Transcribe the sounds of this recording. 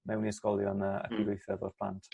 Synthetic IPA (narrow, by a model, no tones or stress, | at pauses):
mɛwniəskɔlˠjɔnəə̰kʰɪɾʊɨθɛvɔ̰rpʰlˠa̰ntʰ